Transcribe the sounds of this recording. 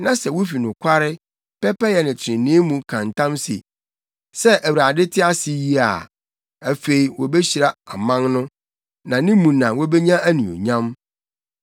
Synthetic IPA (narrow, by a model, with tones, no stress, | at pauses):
nã˦sɛ˨wʊ˦fi˨nʊ̃˨kʷʰa˦ɾɪ˦ | pʰɛ˦pɛ˦jɛ˨nɪ̃˨t͡ɕʰɪ˨ɪ̃˨nɪ̃˦mũ˨kʰã˨n˨tʰã˦msḛ˨ | sɛ˦ʔæ˨wɾa˨dɪ˦tʰɪ˦a˦sɪ˦ji˦a̰˨ | æ˨fe˨i˨wɔ˨bɛ˦ɕi˨ɾa˨a˨mã˦ŋnʊ̃˦ | nã˨nɪ̃˦mũ˨nã˨wɔ˦bɛ˦ɲã˦æ˦nĩ˨o̰˨ɲã˦m